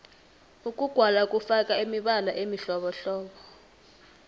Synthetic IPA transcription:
uk̬ʼuɡ̥ʱwalakʼufak̬ʼaemiɓalaʔemiɬɔɓɔɬɔːɓɔ

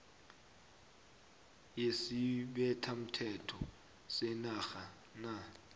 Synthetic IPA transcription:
jesiɓɛtʰam̩tʰɛtʰɔ | sɛnaxa | na

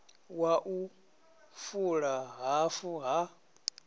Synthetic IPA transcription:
waʔu | fuɺaɦafuɦa

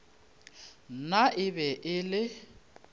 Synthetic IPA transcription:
naʔɪbɛʔɪlɪ

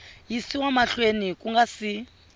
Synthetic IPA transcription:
jisiwamaɬwenikʼuŋɡasi

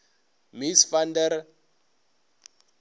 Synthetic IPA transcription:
misfandɛɾ

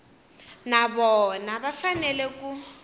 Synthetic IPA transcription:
naβɔnaβafanɛlɛku

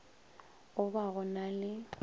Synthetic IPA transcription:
ʊbaɣʊnalɪ

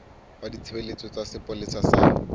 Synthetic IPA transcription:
badit͡sʰɪbelet͡sʼɔt͡sasɪpʼolisasa̰

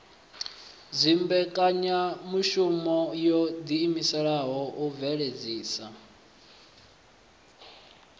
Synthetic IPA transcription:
zʷimbɛkʼaɲamuʃumɔjɔd̪iːmisɛɺaɦɔʔuvɛɺed͡ziːsa

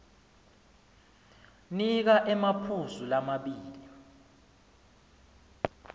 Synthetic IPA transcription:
nik̬aʔɛmapʰuzulamaɓiːlli

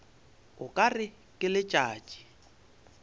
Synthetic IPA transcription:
ɣʊkʼarɪ | kʼɪlɪt͡ʃʼaːt͡ʃʼi̥

